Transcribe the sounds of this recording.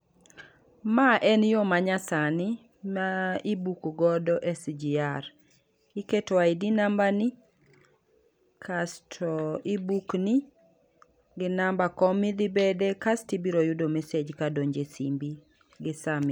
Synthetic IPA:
maʔɛnjomaɲasanɪ | maibukɡɔdɔʔɛsd͡ʒiaɾ | iketwaidinambani | kʰastʰɔibukni | ɡɪnambakɔmid̪ibedekastibiɾojʊdomɛsed͡ʒkadoɲd͡ʒesimbi | ɡɪsamɪ

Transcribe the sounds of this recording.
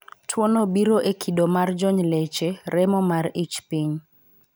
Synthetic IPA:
tʰwɔnobiɾoʔekʰiɗomard͡ʒɔɲlet͡ʃeɾɛmɔmarit͡ʃpiɲ

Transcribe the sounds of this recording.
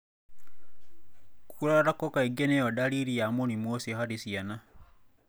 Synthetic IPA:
ku̥kuɾaɾaɾakokaeɡenejodaliɾijamonimwosihaɾisiana

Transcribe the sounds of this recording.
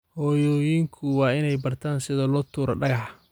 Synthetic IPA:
hɔːjɔːjiːŋkʰʊwɑːɪnɛjbɐrt̪ʰaːnsɪðɐlɔːt̪ʰuːɾɐɖɐɣɑħ

